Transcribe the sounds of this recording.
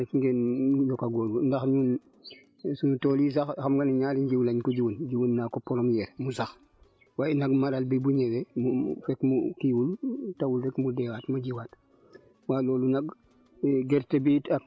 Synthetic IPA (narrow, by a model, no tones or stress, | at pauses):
kiŋɡeːnujɔkaɡoːlndaxɲuːn | sunutolis̬axxamɡanɲaːliɲɟiwlaɲkɔɟiwənɟiwənːakopːɔɾomjɛɾmusax | waːjɛnaɡmaɾalbibuɲɛwemufɛkmukiwultawulɾɛkmudɛwatmaɟiwat | waːlɔːlunaɡ̚ | ɡɛɾtebitak̚